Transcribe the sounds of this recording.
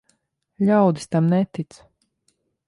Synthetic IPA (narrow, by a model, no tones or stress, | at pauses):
lʲawd̪i̥st̪amnɛt̪it̪s